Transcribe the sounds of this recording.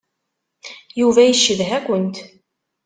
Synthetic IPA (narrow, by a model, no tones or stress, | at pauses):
juvæjəʃːəðɦækʷənt̪